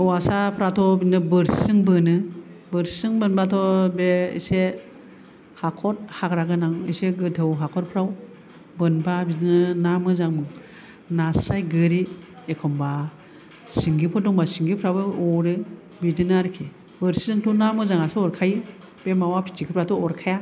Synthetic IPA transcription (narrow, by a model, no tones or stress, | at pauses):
ɯwasapʰɾatʰɔbinɯbɯɾssɯŋbɯnɯbɯɾsɯŋbɯnbatʰɔbeḭse | hakʰɔt̚hakɾaɡɯnaŋḭseɡɯdʰɯwɦakʰɔt̚pʰɾaw | bɯnbabinɯnamɯzaŋmɯŋ | nasɾajɡɯɾi | ekʰɔmba | siŋɡipʰɔdɔŋbasiŋɡipʰɾawbɯɔɾɯ | bidɯnaɾkʰe | bɯɾsɯŋtʰunamɯzaŋasɯɔɾkʰajɯ | b̥emawapʰi̥t͡ʃʰikʰɯpʰɾatɔɔɾkʰaja